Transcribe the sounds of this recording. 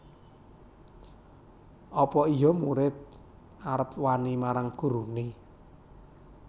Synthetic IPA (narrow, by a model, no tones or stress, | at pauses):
ʔɔpɔijɔmuɾɪt̪̚ | aɾəp̚wanimaɾaŋɡ̥ṳɾuni